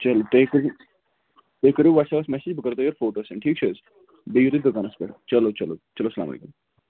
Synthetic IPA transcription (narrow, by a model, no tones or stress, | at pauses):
t͡ʃɐloʈeːkɾu | ʈeːkːəɾjuʋɐːʈsɛpɐsmɛsed͡ʒbəkɐɾt̪oːjoɾfoːʈoːsɛɳʈʰiːk̚t͡ʃʰuz | bijuɾid̪ʊkaːnɐspeʈt͡ʃɐlot͡ʃɐlo̰t͡ʃɐloːsəla̰ːmɐ̰lḛːkum